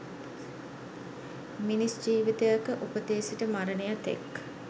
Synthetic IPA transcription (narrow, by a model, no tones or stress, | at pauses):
minisd͡ʒiːʋit̪əjakəʔupət̪eːsiʈəmaɾənejat̪ḛk